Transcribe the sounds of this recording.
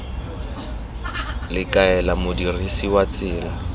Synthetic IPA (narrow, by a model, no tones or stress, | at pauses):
lɪkʼaɛlamʊdirisiwat͡sʼɪːla